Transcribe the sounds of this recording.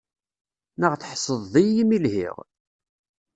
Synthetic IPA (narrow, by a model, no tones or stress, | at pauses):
nəʁθħsˤəðˤːijimilhḭʁ